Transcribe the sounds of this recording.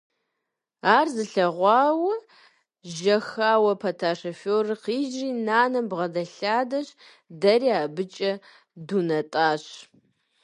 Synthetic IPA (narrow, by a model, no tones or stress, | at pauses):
aːrzɨɬɐʁʷɑːwɐ | ʒɐxaːwɐpʰɐtʰaːʂofoːrɨqiːʒriːnaːnɐmbʁɐdɐɬaːdɐɕ | dɐriaːbɨt͡ʃʼɐ | dunɐtʼaːɕ